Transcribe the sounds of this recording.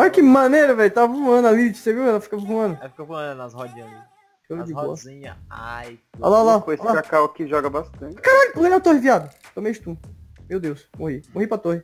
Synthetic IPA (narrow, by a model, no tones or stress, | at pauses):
ɔʎɐkɪmɐ̃nejɾɐvɛlʊt̪avɐvũɐ̃nʊalit͡ʃseviwɛlɐfi̥kɐvũɐ̃nʊfkovɐ̃nnɐshɔd͡ʒĩɲ̃d̪ɐ | kolid͡ʒibɔ̰ɐĩɲɐajɔ̰lalaoesakakawakɪʒɔɡɐbast̪ɐ̃t͡ʃkaɾakɐ̃ɡɐ̃ɲat̪ohɪviad̪ɐ | t̪õmejd͡ʒɪt̪ũmewd̪ewsmoɦimoɦipɾɐt̪ohɪ